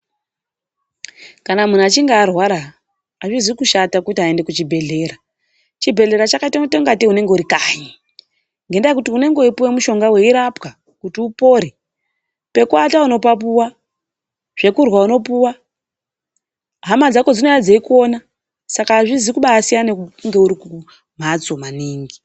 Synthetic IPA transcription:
kanamun̤at͡ʃiŋɡaːrwaɾaː | ʐizwikuʃatakutiɦae̞nde̞kut͡ʃibʱe̞ɮe̞ːɾa | t͡ʃibʱe̞ɮe̞ɾat͡ʃakaitataŋɡatiɦune̞ŋɡeuɾikaɲi | ŋɡe̞ndakutiune̞ŋɡeipuwemuʃo̞ŋɡawe̞iɾapka | kutiupo̞ɾe | pe̞kuatauno̞pap̬uwa | ʐ̥e̞kurwauno̞puwa | ɦamad͡zako̞d͡zino̞jad͡zeiko̞na | sakaːʐizikuɓaːsijaneŋɡe̞uɾiku | m̤at͡so̞maniːŋɡi

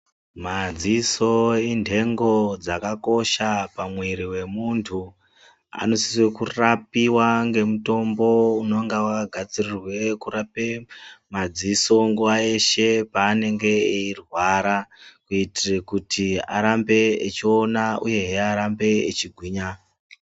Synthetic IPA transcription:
mad͡ziso̞indʱe̞ŋɡo̞d͡zakako̞ʃapamwiɾiwe̞muntʰu | a̰no̞si̥swekurapiwaŋɡe̞muto̞mbo̞unoŋɡawaɡʱad͡zirirwe̞kurapemad͡ziso̞ŋɡuwae̞ʃe̞paːne̞ŋɡe̞eirwaɾakuitirekutʰia̰ɾambe̞ːt͡ʃio̞naṵje̞ɦeaɾambe̞ːt͡ʃiɡʱwiːɲa

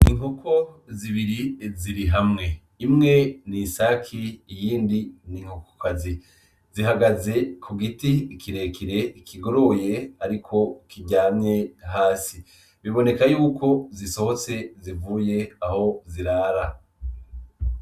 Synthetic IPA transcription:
iŋukʰoziβiɾiziɾiɦamŋe̞ | imŋe̞nisakʰiːjiːndiniŋhuko̥kazi | ziɦaɡaze̞kʰuɡitiːkʰiɾe̞kiɾe̞ikʰiɡo̞ɾo̞je̞aɾikʰo̞kʰiɟaːmɲe̞ɦaːsi | βiβo̞ne̞kajuːkʰo̞ziso̞ho̞t͡se̞zivuːje̞aho̞ziɾaːɾa

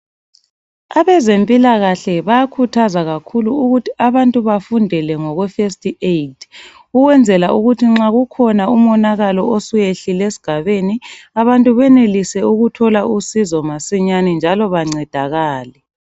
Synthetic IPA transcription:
aβɛzempʼilaɣaɬɛβajakʰutʰazaɣakʰuluuɣutʰiʔaβantʼuβafundʱɛlɛŋɔɣwɛfestʼiejtʰ | uɣwɛnd͡zʱɛlaʔuɣutʰiŋ͡ǁaɣukʰɔnaumɔnaɣalɔosujeɬilesi̥ɡ̥ʱaβeniaβantʼuβɛnelisɛuɣutʰɔlaʔusizɔmasiɲanɛnd͡ʒʱalɔβaŋ͡ǀɛd̥ʱaɣaːlɛ

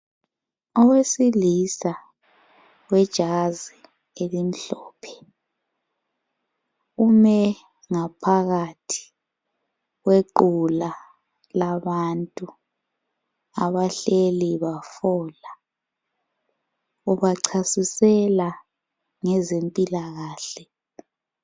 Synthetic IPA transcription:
ɔwesilisa | wɛd̥ʒ̥ʱazi | elim̩ɬɔːpʰɛ̥ | umɛ | ŋapʰaɣatʰi̥ | ɣweǃula | laβantʼu | aβaɬeliβafɔːla | uβaǀʰasisɛla | ŋɛzempʼilaɣaːɬɛ

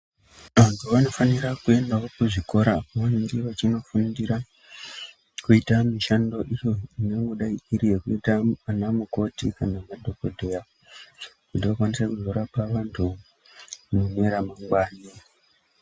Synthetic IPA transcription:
ʋantʰuʋano̞faniɾakue̞ndaokuʐiko̞ɾaʋandiʋat͡ʃino̞fundira | kuitamiʃando̞ʔijo̞ineŋɡoɗaiiɾijekuitaanamuko̞tikanamadʱokodʱeja | kutiʋakwanisakuzoɾapaʋantʰu | muneɾamaŋɡwaːni

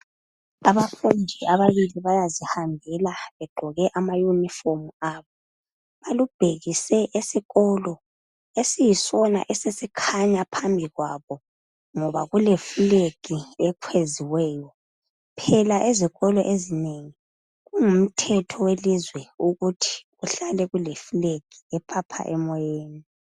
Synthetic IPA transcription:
aβafundʱiaβaβiliβajazihambʱɛlaβɛɡ͡ǃʱɔɣɛʔamajunifomaːβɔ | βalub̥ʱeɣisɛʔesiɣɔlɔ | esijisɔna̰ʔɛsesikʰaɲapʰambʱiɣwaβɔ | ŋɔβaɣulefuleɡ̥ʱiɛkʰweziwɛːjɔ | pʰɛlaʔeziɣɔlɔʔezineŋi | ɣuŋum̩tʰɛtʰɔwelizwɛuɣutʰi̥ɣuɬalɛɣulefuleɡ̥ʱiɛpʰapʰa̰ʔɛmɔjeːni

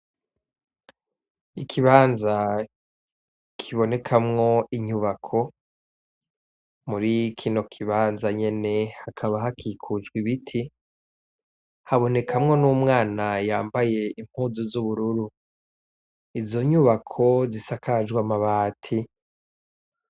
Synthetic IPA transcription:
ikʰiβaːnza | kʰiβo̞ne̞kʰamŋo̞iɲuβakʰo̞ | muɾikʰino̞kʰiβaːnzaɲe̞ne̞hakʰaβahakʰikʰud͡ʒɡwiβitʰi | haβo̞ne̞kʰamŋo̞nuːmŋaːnajaːmbaje̞im̥huzuzuβuɾuɾu | izo̞ɲuβakʰo̞zisakʰad͡ʒɡwamaβaːtʰi

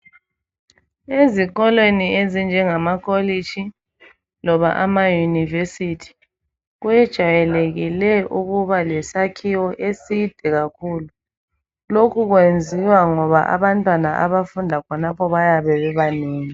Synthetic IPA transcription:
eziɣɔlweniezind͡ʒʱɛŋamakʰɔli̥t͡ʃʰi | lɔβa̰ʔamajunivesitʰi̥ | ɣujɛd̥ʒ̥ʱajɛleɣilɛʔuɣuβalɛsakʰiwɔʔesid̥ʱɛɣakʰuːlu | lokʰuɣwend͡zʱiwaŋɔβaʔa̰βantʼwanaʔaβafundʱakʰɔnapʰɔβajaβɛβɛβaniːŋi

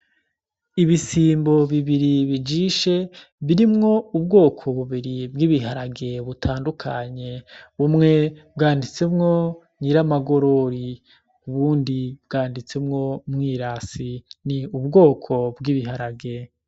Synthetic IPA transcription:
iβisiːmbo̞βiβiɾiβid͡ʒiːʃe̞βiɾimŋo̞ubɡo̞ːkʰoβuβiɾibɡiːβiɦaɾaɡe̞βutʰaːndukʰaɲe̞βumŋe̞bɡaːndit͡se̞mŋo̞ | ɲiɾamaɡo̞ɾo̞ɾi | uβuːndibɡaːndit͡se̞mŋo̞mŋiːɾaːsiniubɡo̞ːkʰo̞bɡiːβiɦaɾaɡe̞

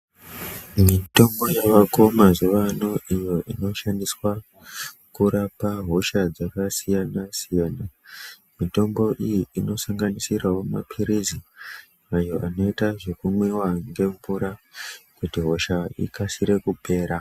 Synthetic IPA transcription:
mito̞mbo̞jaʋako̞mazuʋano̞ʔijo̞ʔino̞ʃandiswa | kuɾapaɦo̞ʃad͡zakasijanasijaːna | mito̞mbo̞ʔijiːno̞saŋɡanisirawo̞ma̰pʰiɾizi | ajo̞ʔano̞itaʐekumwewaŋɡe̞ɱvuɾakutiɦo̞ʃaḭkasiɾe̞kupʰe̞ːɾa

